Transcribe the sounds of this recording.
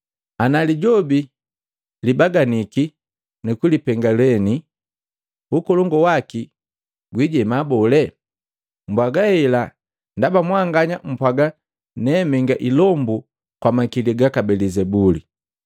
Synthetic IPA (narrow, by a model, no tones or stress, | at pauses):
analiɟɔbi | libaɡaniki | nukulipɛŋɡalɛni | ukɔlɔŋɡɔwaki | ɡwiɟɛmabɔlɛ | m̩bwaɡaɛla | ndabamwaŋɡaɲam̩pwaɡa | nɛmɛŋɡaʔilɔmbu | kwamakiliɡakabɛlizɛbuli